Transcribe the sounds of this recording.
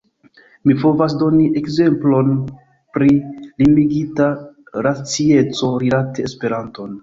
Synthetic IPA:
mipo̞vas̬do̞niʔe̞kze̞mplo̞n | pɾilimiɡita | ɾat͡sie̞t͡so̞ɾilate̞ːspe̞ɾanto̞n

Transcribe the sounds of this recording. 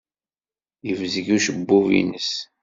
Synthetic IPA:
əvzəʝuʃəbːuvḭnəs

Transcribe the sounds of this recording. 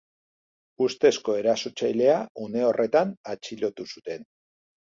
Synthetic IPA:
ust̪e̞sko̞e̞ɾasot͡ʃajle̞aune̞o̞rʔe̞t̪anat͡ʃilo̞t̪usut̪e̞n

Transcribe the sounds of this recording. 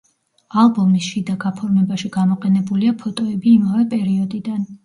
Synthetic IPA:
alˠbɔmisʃid̪aɡapʰɔɾmɛbaʃiɡamɔqʼɛnɛbuliapʰɔt̪ʼɔɛbiːmavɛpʼɛɾiɔd̪id̪an

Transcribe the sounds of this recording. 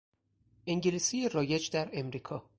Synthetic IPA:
ʔeŋɟelisijeɾɒːjed͡ʒd̪æɾemɾiːkʰɒː

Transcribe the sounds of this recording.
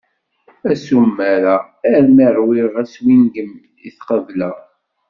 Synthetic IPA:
æsumːæɾa | æɾmiɾˤwiʁæswinɡəm | ḭθqəvlæ

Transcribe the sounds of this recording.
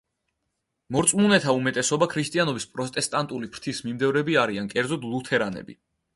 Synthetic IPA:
mɔɾt̪sʼmunɛt̪ʰaumɛt̪ʼɛsɔbakʰɾist̪ʼianɔbispʼɾɔt̪ʼɛst̪ʼant̪ʼulipʰɾt̪ʰismimd̪ɛvɾɛbiaɾiankʼɛɾd̪zɔd̪lˠut̪ʰɛɾanɛ̰bḭ

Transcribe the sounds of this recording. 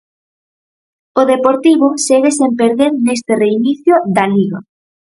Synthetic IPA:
oðepoɾt̪iβʊseɣesempeɾðeɾnest̪ereiniθjoðaliɣa̰

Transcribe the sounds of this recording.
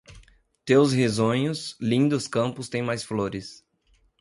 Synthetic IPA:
t̪ewshezõɲʊslĩnd̪ʊskɐ̃pʊst̪ẽj̃majsfloɾɪs

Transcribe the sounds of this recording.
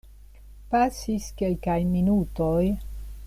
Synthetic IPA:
pasiskelkajminuto̞j

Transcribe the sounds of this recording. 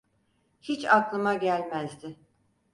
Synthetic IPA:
hit͡ʃaklˠɯmaɟælʲmæzd̪ɪ

